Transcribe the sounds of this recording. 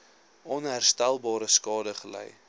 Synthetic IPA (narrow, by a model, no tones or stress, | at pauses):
ɔnɦærstælˠbɑːɾəskɑːdəχəlɛ̰j